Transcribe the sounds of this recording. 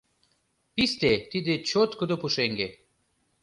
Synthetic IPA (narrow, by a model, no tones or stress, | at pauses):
pist̪et̪id̪et͡ɕot̪kod̪opuʃeŋɡe